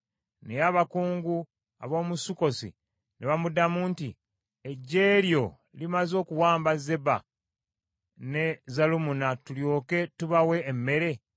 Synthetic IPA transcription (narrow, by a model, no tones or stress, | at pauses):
nejaβakuːŋɡu | a̰βo̞ːmusuko̞sḭ | neβamudamuːnti | eɟːe̞ːljo̞ | limazo̞ːkuwaːmbaze̞ba̰ | ne̞zalumunatuljo̞ːke̞tuβawe̞ːmːe̞ɾe̞